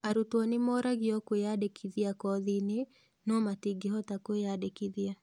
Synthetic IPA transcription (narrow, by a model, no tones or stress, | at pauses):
aɾutwɔnɪmɔɾaɡɪɔkwejadekʰiðiakɔðinɪ | nɔmatiɡɪɦɔtakwejadekiðia